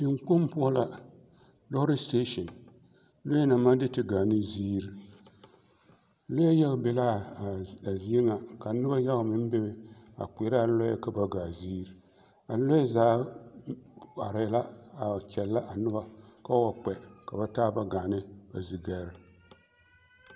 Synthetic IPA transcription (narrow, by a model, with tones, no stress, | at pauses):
ti˨ŋk͡pʊ˦m˦pʊ˦a˦la˨ | lɔ˦ɾi˦ste˦ʃɔ˨n | lo˦jna˨ma˦dɨ˦tɨ˦ɡaː˨nɨ˦ziː˦ɾ | lo˦a˦ja˦ɣbɛ˨la˦˨ | a˨zi˦i˦ŋa˨ka˨nɨ˦ba˦ja˦ɣmɨ˦n˦bɛ˦bɪ˨a̰˨k͡pe˨˦ɾa˦˨˦lɔ˦ja̰˦ka˦ba˦ɡaː˨ziː˦ɾ | a˨lo˦ɛ˦zaː˨˦ | a˨ɾɪ˨la˦a˨kʲɛ˨lːa˦ʔa˨nɨ˦ba˦ka˦wa˨k͡pɛ˨ka˨ba˦taː˦ba˦ɡa˨nɨ˦ba˨zi˨ɡa˨˦ɾ